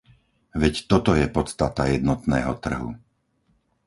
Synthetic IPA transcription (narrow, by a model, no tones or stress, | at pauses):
ʋɛct̪ɔt̪ɔjɛpɔt̪st̪at̪ajɛd̪nɔt̪nɛ̰ːɦɔ̰t̪r̩ɦṵ